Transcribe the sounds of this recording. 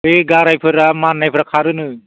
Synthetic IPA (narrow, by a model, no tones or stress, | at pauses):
eɡaɾajpʰɯɾamanːajpʰɾakʰaɾɯnɯ